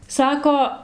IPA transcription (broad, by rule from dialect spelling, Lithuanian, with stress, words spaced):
ˈsɑːkoː